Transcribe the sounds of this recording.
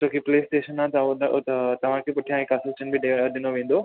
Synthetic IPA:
t͡ɕõːkipleːsʈeːʃənat̪ɐ | t̪ɐʋ̤ãkʰepʊʈʰijãekɐsəlt͡ɕənbʱiɖeɖ̪ɪnoʋẽːnd̪oː

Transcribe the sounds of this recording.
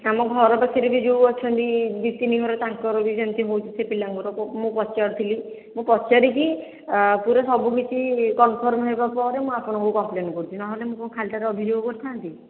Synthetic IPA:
amɔkɡʱɔɾɔbasʰeɾibid͡ʒuwɔt͡ʃʰɔnt̪id̪it̪iniɡʱɔɾɔt̪aŋkɔɾɔbid͡ʒant̪iɦowt͡ʃʰi̥sʰepilaŋkuɾɔɔmũpɔt͡ʃaɾt̪ʰili | mũpɔt͡ʃaɾiki | puɾɔsɔbukit͡ʃʰikɔnpʰɔɾmɦojbapɔɾemũapɔɽ̃ɔ̃ŋkukɔmplenɔkɔɾut͡ʃʰinaɦolemũkɔkʰalʈaɾeɔbʱid͡ʒoɡɔkɔɾt̪ʰant̪i

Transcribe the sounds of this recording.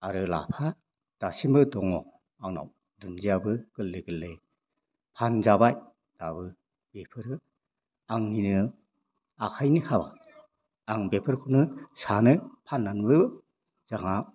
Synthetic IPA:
aɾɯla̰pʰa | d̥asimbɯdɔŋɔ | aŋna̰w | dunziabɯɡ̥ɯlːɯɡɯlːe | pʰanzabaj | d̥abɯ | b̥epʰɯɾɯ | aŋninɯ | akʰajnihaba̰ | aŋbepʰɯɾkʰɯnɯsanɯpʰanːanbɯjbɯ | z̥aŋa

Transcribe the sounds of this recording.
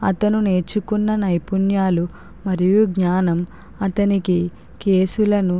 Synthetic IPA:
ɐ̰t̪ɐnuneːt͡ʃukunːɐnɐjpunjaːlu | mɐɾijuɡɲaːnɐm | ɐt̪ɐniki | ke̞ːsulɐnu

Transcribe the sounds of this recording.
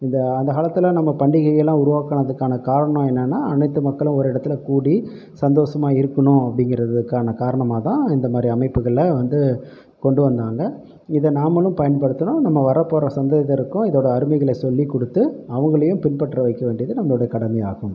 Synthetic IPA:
ɪnd̪ɐɐnd̪ɐɣaːɭɐt̪ːɯlɐnɐmːɐpɐɳɖɪɣɐjɛlːãːʊɾʊʋaːkɐɳɐðɯkːaːnɐkaːɾɐɳɐ̃ɛnːɐnːaːɐnɐɪt̪ːɯmɐkːɐɭʊ̃ɔɾɯɪɽɐt̪ːɪlɐkuːɽi | sɐnd̪oːsɐmaːɪɾɯkːɐɳʊ̃ɐpːɐɽɪŋɡɪɾɐðɯkːaːnɐkaːɾɐɳɐmaːt̪ãːɪnd̪ɐmaːd̪ɾiɐmɐɪpːɯɣɐɭːɐʋɐnd̪ɯ | kɔɳɖɯʋɐnd̪aːŋɡɐ | ɪðɐnaːmɐlɯ̃mpɐjɐnpɐɽɯt̪ːɐnõnɐmːɐʋɐɾɐpːoːɾɐsɐnd̪eːjɐt̪ːɐɪɾɯkːʊ̃ɪðoːɽɐːɾɯmɐɪɣɐɭɐsɔlːikːɔɽɯt̪ːɯɐʋɐŋɡɐɭɐjʊ̃pɪnpɐʈːrɐʋɐɪkːɐʋeːɳɖɪjɐðɯnɐmːɐɭoːɽɐɐkɐɽɐmɐa̰ːɣɯ̃m

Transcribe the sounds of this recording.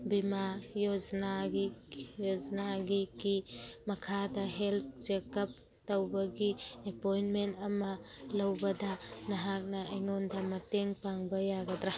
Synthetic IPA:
bimajod͡ʒnaɡijod͡ʒnaɡikimɐkʰadɐɦelt̪̚d͡ʒekɐp̚ | tawbɐɡiepojnmentɐmɐlɐwbɐdɐnɐɦak̚nɐejŋondamɐteŋpaŋbɐjaɡɐd̪ɾa

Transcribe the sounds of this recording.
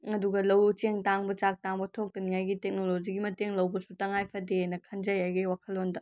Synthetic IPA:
ɐduɡɐlɐwt͡ʃeŋtaŋbɐt͡ʃak̚taŋbɐtʰok̚tɐnijajɡitek̚nolod͡ʒiɡimɐteŋlɐwbɐsutɐŋajpʰɐdenɐkʰɐnd͡ʒɐjajɡɐjwakʰɐlːondɐ

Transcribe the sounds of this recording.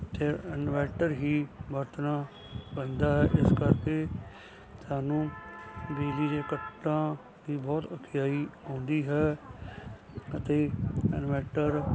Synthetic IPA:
t̪eːənʋɛːʈəɾɦiːbəɾt̪naː | bə̃nd̪aːɦɛːʔɪskəɾkeː | t̪aːnũːbiːliːd̪eːkəʈːãː | d̪iːbɔːt̪əkʰɪjaːiːõːnd̪iːɦɛː | ət̪eːənʋɛːʈəɾ

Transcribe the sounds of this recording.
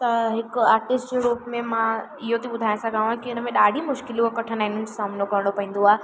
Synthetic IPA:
t̪ɐɦɪkaːɾʈɪsʈd͡ʑeɾuːpmẽmã | ɪɦot̪iɓʊd̪ʱaːj̃sɐɡãːãkiʊnəmẽɗaːɖʱimʊʃkɪlũəkɐʈʰənaːɦɪnʊnɪ̆d͡ʑosaːmnokɐɾə̃ɽɖopɐɦĩːnd̪oaːe

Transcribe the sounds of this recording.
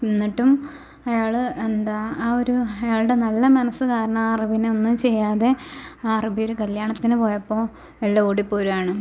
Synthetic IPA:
pinːiʈːum | ɐjaːɭɨend̪aːo̞ɾuɐjaːɭɨɽe̞nɐlːɐmɐnɐsːɨkaːɾɐɳɐmarɐbineonːumt͡ɕe̞jːaːðe̞aːrɐbijoɾukɐljaːɳɐt̪ːinɨpo̞ːjɐpːo̞ː | elːɐoːɽipːoːɾumaːɳɨ

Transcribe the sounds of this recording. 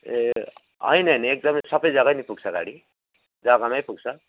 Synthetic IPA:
ʌ̰jnʌiniek̚d̪ʌmʌjsʌbʌjd͡zʌɡanipuɡt͡sʰʌɡa̰ɽi | d͡zʌɡamajpuɡ̚t͡sʰʌ

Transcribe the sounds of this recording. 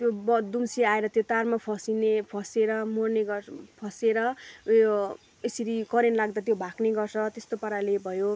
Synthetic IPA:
t̪jobʌd̪umsiaeɾʌt̪jot̪armapʰʌsinepʰʌseɾʌmorneɡʌpʰʌseɾʌ | esiɾikʌɾenlaɡd̪at̪jobʱakneɡʌrt͡sʰʌt̪est̪opʌɾalebʱʌjo

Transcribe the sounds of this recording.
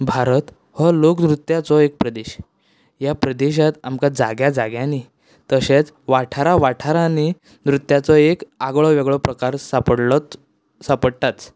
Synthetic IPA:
bʱaɾət̪ | hɔloknɾut̪jat͡sɔek̚pɾəd̪eɕ | japɾəd̪eɕ̬at̪amkad͡zaɡjad͡zaɡjãni | t̪əɕet͡s | ʋaʈʰaɾaʋaʈʰaɾani | nɾut̪ːjat͡sɔekaɡɭɔʋɛɡɭɔpɾəkaɾsapəɽl | sapəɽt̪at͡s

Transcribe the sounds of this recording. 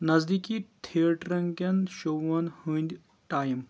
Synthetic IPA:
nɐzd̪ikit̪ʰiəʈɾɐŋkɐnʃowɐnhunʲd̪ʲ | ʈaːjim

